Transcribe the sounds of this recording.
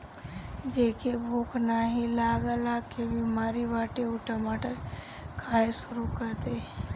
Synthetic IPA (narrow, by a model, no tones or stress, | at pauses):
d͡ʒeːkebʱoːknaɦilaːɡəlakebimaːɾiʋaːʈeʊʈomaːʈəɾ | kʰaːeʃʊɾukəɾt̪eɦɛ̃